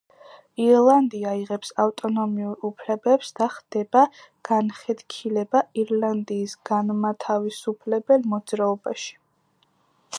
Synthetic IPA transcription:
iɾlˠand̪iaiʁɛpsaft̪ʼɔnɔmiuɾupʰlɛbɛpsd̪̥aχd̪̥ɛba | ɡ̥anχɛt̪kʰilɛbaiɾland̪iːsɡ̥anmat̪ʰavisupʰlɛbɛlmɔd̪zɾaɔbaʃi̥

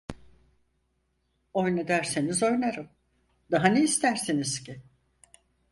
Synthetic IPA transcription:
o̞jned̪æɾsenizo̞jnaɾɯm | d̪aɦaneist̪ʰæɾsinizci

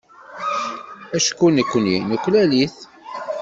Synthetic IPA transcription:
æʃkːunəkʷːəninukʷːlæliθ

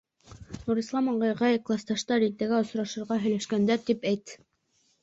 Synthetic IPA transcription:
nuɾislˠɑmɑɴɢɑjʁɑjklˠɑst̪ɑʃt̪ɑɾit̪ːæɡæŏsɾɑʃɤ̆ɾʁɑɦɵ̆jlæʃkænd̪æɾt̪ipæjt̪

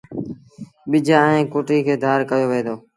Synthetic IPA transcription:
ɓɪd͡ʒaːẽːkoːʈiːkʰeːd̪ʱaːɾkəjoːʋẽːd̪oː

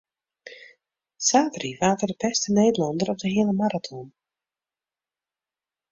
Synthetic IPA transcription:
saːtriʋaːtərdəpɛstəneːdəlɔndəɾɔp̚dəɦɪələmaɾatʰɔn

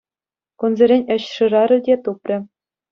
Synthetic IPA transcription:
kunzʲeɾʲenʲɘ̆ɕʂɯ̆rɑɾʲɘ̆dʲet̪uprʲɘ̆

